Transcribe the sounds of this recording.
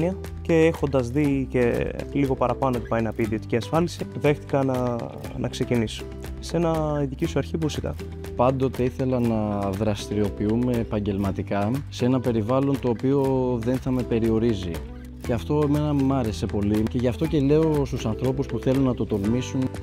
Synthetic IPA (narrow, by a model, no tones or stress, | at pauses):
niɐ | ce̞exo̞nd̪ɐzðice̞liɣo̞pɐɾɐpɐno̞t̪i̥pɐjnɐpiːðio̞t̪iciɐsfɐlisiðe̞xt̪i̥kɐnɐ | nɐ̰kse̞ciniso̥ | se̞nɐiðicisuɐɾçipusikɐ̰ | pɐnd̪o̞t̪e̞iθe̞lɐnɐðɾɐst̪iɾio̞piume̞ːpɐɲɟe̞lmɐt̪ikɐsee̞nɐpe̞ɾivɐlo̞nt̪o̞ːpio̞ðe̞nθɐme̞pe̞ɾio̞ɾizi | ceɐft̪o̞eme̞nɐmɐɾe̞se̞po̞lice̞ʝɐft̪o̞ce̞le̞o̞st̪usɐnθɾo̞puspuθe̞lunːɐt̪ot̪o̞lmisun